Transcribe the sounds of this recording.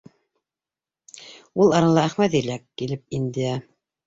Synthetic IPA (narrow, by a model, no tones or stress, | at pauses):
ulˠɑɾɑlˠɑæχmæðilækːilɘp̚ind̪ɘæ